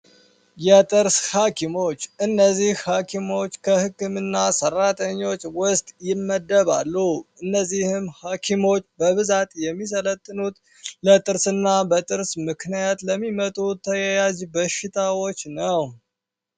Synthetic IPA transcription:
jɛt̪ʼɨɾshakʰimo̞t͡ʃːɨnːəzːihhakʰimo̞t͡ʃːkʰəhɨkːɨmɨnːasərːat̪ʰʼəɲːo̞t͡ʃːwʊst̪ʼjɪmːəd̪ːəβalːuʔɨnːəzːihɨmhakʰimo̞t͡ʃːbəβɨzat̪ʼjɛmːis̬ələt̪ʼːɨnut̪ | lət̪ʼɨɾsɨnːabət̪ʼɨɾsmɨknijat̪ləmːimət̪ʼut̪ʰːəjɛjazbəʃɪt̪ʰawo̞t͡ʃːnəw

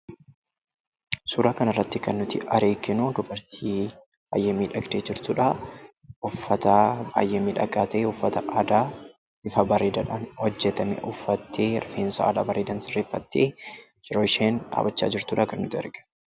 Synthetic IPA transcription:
suːɾaːkɐnɐrːɐt̪ːɪkɐnːʊt̪ɪʔɐɾeːkːɪnud̪ʊbɐɾt̪ʰiː | ba̰ːjemiːᶑɐɡd̪eːd͡ʒɪɾt̪uːᶑa | ʊfːɐt̪ɐba̰ːjʔemiːᶑɐkʼːaːt̪eːʊfːɐt̪ɐʔad̪aː | ɪfɐbɐɾeːd̪ɐᶑaːnhɔd͡ʒːɛt̪ɐmɛ̰ʔʊfːɐt̪ʰːeːɾɐfeːnsɐa̰ːla̰ːbɐɾeːd̪ɐnsɪrːeːfːɐt̪ːeː | d͡ʒɪɾoːɪʃeːna̰ːbɐt͡ʃːa̰ːd͡ʒɪɾt̪uːᶑaːkɐnːʊt̪ɪɛ̰ɾɡɛ̥

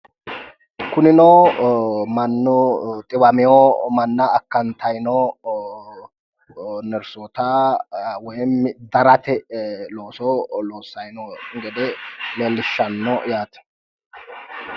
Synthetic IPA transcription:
kʊnɪnoː | mɐnːɔt̪ʼɪbɐmɪjɔmɐnːɐːkːɐnt̪ʰɐjnɔ | nɛɾsoːt̪a | wɔjɛmːd̪ɐɾɐt̪ɛloːsɔloːsːɐjnɔŋɡɛd̪ɛleːlːɪʃːɐnːɔjaːt̪ɛ̥

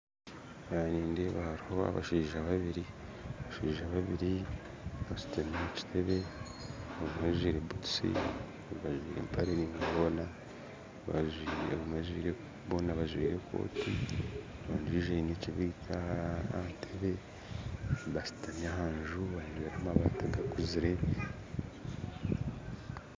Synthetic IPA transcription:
βaniːndeβaɾhoβa̰βa̰ʃiːʒaβaβiɾi | βaʃiːʒaβaβiɾi | βasu̥tameci̥tʰe̞βe̞ | oβumazwiːɾebutu̥sḭ | βaʒwiːɾḛmpʰaɾeniβunβona | βa̰ʒwieβumaʒwḭːɾe | βonaβaʒwiːɾe̞kʰo̞̰ːti | βaːnd͡ʒuiʒeneciβitʰaatʰeβe̞ | βasu̥tanahaːnʒuβaʒwiːɾamaβa̰ːtaɡakuziɾe̞

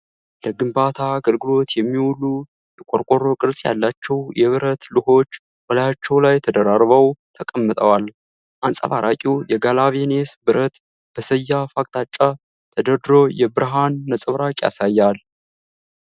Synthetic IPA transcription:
ləɡɨmbat̪ʰaɡəlɡɨlo̞t̪jɛmːiwulːu | jɛkʼoɾkʷʼoɾo̞kʼɨɾsʼja̰lːat͡ʃːɛwjɛβɨɾət̪lɨho̞t͡ʃː | bəlajat͡ʃːɛwlajt̪ʰəd̪əɾaɾβəwt̪ʰəkʼəmːɨt̪ʼəwal | ʔansʼə̰βaɾʔakʼujɛɡalaβenesbɨɾət̪ | b̥əsəjːafakʼt̪ʰat͡ʃʼːa | t̪ʰəd̪əd̪ɾo̞jɛbɨɾɨɦanːəsʼɨβɾakʼja̰sajːal

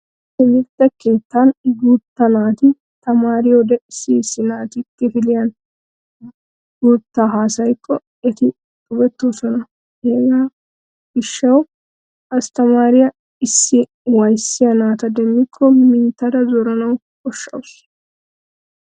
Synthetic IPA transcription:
ɪmɪɾt̪ːɐke̞ːt̪ːanɡuːt̪ːɐnaːt̪ɪ | t̪ɐmaːɾɪjɔd̪ɛsisːɪnaːt̪ɪkːɛfɪlɪjɐn | ɡuːt̪ːaːɦaːsɐjkʰːɔ | ɛt̪ɪ | t̪ʼʊbɛt̪ːo̞ːsɔnɐ | heːɡaː | ɡɪʃːɐw | ɐst̪ɐmaːɾɪjɐ | ɪsːɪ | wɐjsːɪjɐnaːt̪ɐd̪ɛmːɪkʰːɔmɪnt̪ːɐd̪ɐzɔɾɐnɐw | kɔʃːɐ̰wʊs

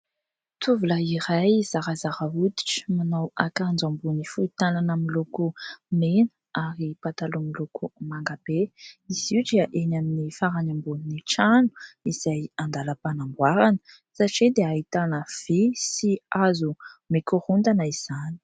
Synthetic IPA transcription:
t̪ʰuvulaiɾajzaɾazaɾaud̪i̥ʈ͡ʂmanawakand͡zambunifuit̪ananamilukumenəaɾipat̪alumilukumaŋɡab̥eiz̥iwdiəʔenaminifaɾaɲambuniniʈ͡ʂanu̥iz̥ajand̪aləpanaŋɡwaɾanə̥ | saʈ͡ʂid̪eait̪anəv̥isiazumikuɾund̪anəiz̥ani̥

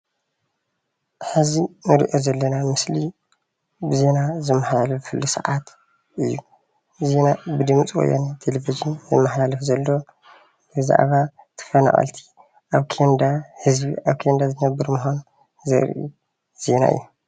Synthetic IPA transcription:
ħɨzinɨɾḭʔozɐlːɐnamɨsli | bɨze̞nazɨmːɐħlalɐffɨlːusɐ̰ʕat̪ | ʔɨjːu | ze̞nabɨd̪ɨmt͡sʼwo̰ja̰nat̪ʰelevizɨnzɨmːɐħlalɐfzɐlːo̞ | bɨza̰ʔβa | t̪ʰɨ̥fɐna̰χʼɐ̰lt̪ʰi̥ | ʔaβkʰend̪ahɨzbiʔaβkʰend̪azɨnɐbːɨɾmɨxan | zɐ̰ɾ̰ʔḭ | z̥e̞na̰ʔɨ̰jːu

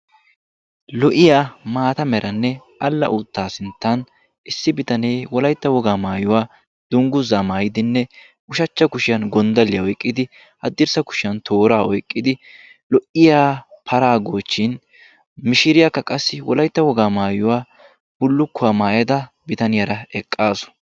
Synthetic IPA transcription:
lɔʔɪjaːmaːt̪ɐmɛɾʔɐnːɛ | ʔɐlːɐ̰ʔʊt̪ːaːsɪnt̪ːɐn | ʔɪsːɪbɪt̪ɐneːwɔlɐjt̪ːɐwɔɡaːmaːjʊwaː | d̪ʊŋɡʊzamaːjɪd̪ɪnːɛ | ʊʃɐt͡ʃːɐkʊʃɪjɐnɡɔnd̪ɐlːɪjɐɔjkʼːɪd̪ɪ | hɐd̪ːɪɾsɐkʊ̥ʃɪjɐnt̪ʰo̞ːɾaːɔjkʼːɪd̪ɪ | lɔʔɪjaːpʰɐɾaːɡoːt͡ʃːɪn | mɪʃɪɾɪjɐkːɐkʼɐsːɪwɔlɐjt̪ːɐwɔɡaːmaːjʊwaː | b̥ʊlːʊkːʊaːmaːjɐd̪ɐ | bɪt̪ɐnɪjɐɾɐɛkʼːaːsʊ̥

